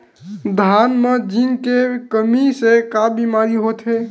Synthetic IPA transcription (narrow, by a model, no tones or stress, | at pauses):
d̪ʱanmed͡ʒinkekəmisekabimaɾiɦot̪ɦe